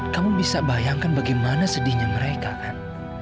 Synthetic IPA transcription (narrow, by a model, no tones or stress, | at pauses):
kamubisabajaŋkanbaɡajmanasədɪhɲaməɾekakan